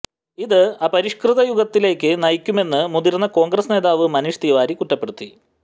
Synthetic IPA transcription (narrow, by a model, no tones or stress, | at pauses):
iðɨaːpɐɾiʂkrɨðɐjuɣɐt̪ːile̞ːkʲːɨnɐjkʲːume̞nːɨmud̪iɾnːɐko̞ːŋɡrɐsne̞ːðaːʋɨmɐnuʂt̪iːʋaːɾikuʈːɐpːe̞ɽut̪ːi